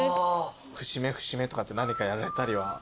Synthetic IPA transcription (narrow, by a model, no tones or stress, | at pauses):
ɸɯ̟ɕime̞ɸɯ̟̥ɕime̞t̪o̞kat̪ːe̞naɲ̟ikajaɾaɾe̞t̪aɾʲiβa